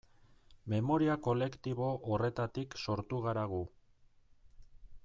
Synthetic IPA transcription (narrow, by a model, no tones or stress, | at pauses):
me̞mo̞ɾiako̞le̞kt̪iβ̞o̞ʔore̞t̪at̪ikso̞ɾt̪uɣaɾaɣ̞u